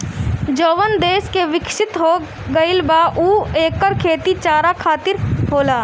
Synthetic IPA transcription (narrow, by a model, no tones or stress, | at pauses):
d͡ʒoːʋənd̪eːskeʋɪkʃɪt̪ɦoː | ɡəɪlbaːʔuːeːkːəɾkʰeːt̪it͡ʃaːɾakʰaːt̪ɪɾɦoːlaː